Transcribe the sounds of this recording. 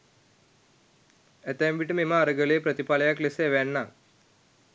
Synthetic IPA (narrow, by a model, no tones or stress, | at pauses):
ɛt̪emʋiʈmemaːɾɐɡəleːpɾət̪ipalɐjakleseʋɛɳːa